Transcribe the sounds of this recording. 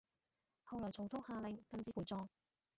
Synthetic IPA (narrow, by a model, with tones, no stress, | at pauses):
hɐ˨˧wlɔː˨˩jt͡sʰo˨˩wt̪ʰʊ˥ŋhaː˧lɪ˨ŋkɐ˧mt͡siː˥puː˨jt͡sɔː˧ŋ